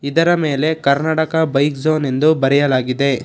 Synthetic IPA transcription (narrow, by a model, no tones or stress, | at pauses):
id̪ɐɾɐmeːle̞kɐɾnaːʈɐkɐbɐjkzoːne̞nd̪ubɐɾɛjɐlaːɡid̪e̞